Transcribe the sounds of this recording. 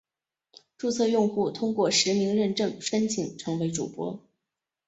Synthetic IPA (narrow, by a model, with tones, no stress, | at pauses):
ʈ͡ʂu˥˧t͡sʰɤ˥˧jʊ˥˧ŋxu˥˩t̪ʰʊ˥ŋkwɔ˥˩ʂɻ̩˧˥mi˧˥ŋɻə˥˧nʈ͡ʂɤ˥˩ŋʂə˥nt͡ɕʰi˨˩ŋʈ͡ʂʰɤ˧˥ŋwe˧˥ɪʈ͡ʂṵ˨˩pwɔ̰˧˥